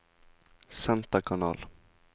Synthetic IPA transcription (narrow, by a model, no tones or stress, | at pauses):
sɛnt̪akʰanɑ̰ːl